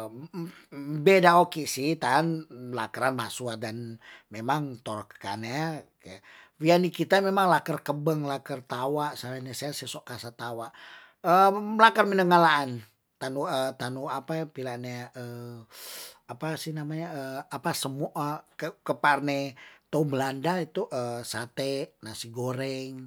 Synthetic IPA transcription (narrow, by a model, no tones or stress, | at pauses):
bedaokisiht̪anlakəɾanmasuadanmemaŋt̪ɔrkə̥ka̰neaka | wianikit̪amemaŋlakərkəbəŋlakərt̪awaʔsalanɛsaasɛsoʔkasat̪awaʔ | əlakərmənəŋalaːn | t̪anuət̪anuapapilaʔneaə | apasihnamaɲaəapasəmuʔakəkəparnɛt̪oubəlandait̪uʔəsat̪ɛnasiɡoɾɛŋ